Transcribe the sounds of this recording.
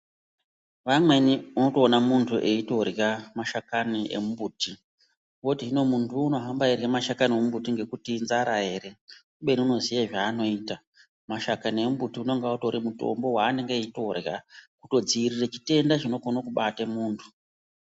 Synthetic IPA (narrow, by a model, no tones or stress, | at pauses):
ʋamwe̞niuno̞to̞ːnamuntʰuʔeito̞rjamaʃakaniʔḛmumbuːti | wotiɦino̞muntʰuːno̞ɦambairjamaʃakaniemumbutiŋɡe̞kutinzaɾaɦe̞ɾe̞kuɓe̞niuno̞zijaʐaːno̞iːta | maʃakaniemubutiuno̞ŋɡauto̞ɾimuto̞̰mbo̞ɦwaːne̞ŋɡeːito̞rjakuto̞d͡ziiriret͡ʃi̥te̞ndat͡ʃino̞konokuɓatemuːntʰu̥